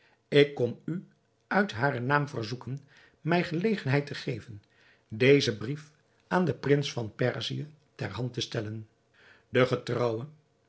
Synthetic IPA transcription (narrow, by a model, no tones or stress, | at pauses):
ɪkːɔmy | œɥtɦaːrənaːmvərzukən | mɛjχəlejχənɦɛjtəχejvən | dejzəbrif | ʔaːndəprɪnsfɑnpɛrziə | tɛrɦɑntəstɛlən | dəχətrɑwən